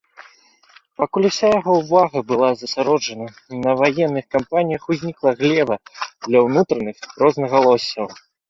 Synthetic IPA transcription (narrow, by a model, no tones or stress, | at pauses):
pakulʲuwsʲajaɣɔwvaɣɐbɨlˠazɐsʲaɾɔd͡ʐɐnɐ | nɐvajɛnːɨxkampanʲijɐxuzʲnʲiklˠɐɣlʲɛvɐd̪lʲɐwnut̪ɾɐnɨxɾɔznɐɣɐlˠɔsʲːɐw